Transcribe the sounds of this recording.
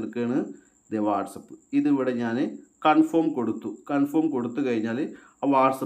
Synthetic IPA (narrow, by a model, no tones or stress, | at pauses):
rkeːɳɨ | d̪eʋaːʈsɐpːɨ̥iðiʋiɽeɲaːnɨkɐɳfoːmko̞ɽut̪ːukɐɳfoːmko̞ɽut̪ːukɐɻiɲːaːl | aːʋaːʈsɐ